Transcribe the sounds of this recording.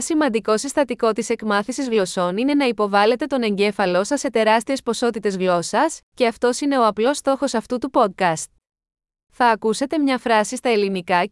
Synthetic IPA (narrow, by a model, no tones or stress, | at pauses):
simɐnd̪iko̞sist̪ɐt̪iko̞t̪ise̞kmɐθisizɣlo̞so̞nine̞nɐipo̞vɐle̞t̪e̞t̪o̞ne̞ɲɟe̞fɐlo̞sɐse̞t̪e̞ɾɐst̪ie̞spo̞so̞t̪it̪e̞zɣlo̞sɐsce̞ɐft̪o̞sine̞o̞ɐplo̞st̪o̞xo̞sɐft̪ut̪upo̞d̪̚kɐst̪̚ | θɐːkuse̞t̪e̞mɲɐfɾɐsist̪ɐe̞linikɐ